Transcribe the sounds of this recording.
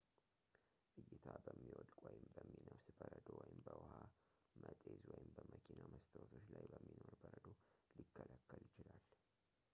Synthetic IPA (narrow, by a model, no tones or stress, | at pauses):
ʔɨjːɪt̪ʰabəmːiwɔd̪kʼwɔjɪmbəmːinəwsbəɾəd̪owɔjɪmbəwha | mʔət̪ʼezwɔjɪmbəməkʰinaməst̪ʰəwt̪ʰot͡ʃlajbəmːino̞ɾbəɾəd̪olikʰːəlakːəljɪt͡ʃɪlal